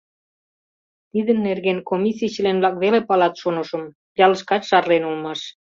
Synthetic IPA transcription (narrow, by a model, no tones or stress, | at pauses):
t̪id̪ənːerɣenkomʲisit͡ɕəlenβlɑkβelepɑlɑt̪ʃonə̆ʃə̆m | jɑləʃkɑt͡ɕʃɑrlenulmɑʃ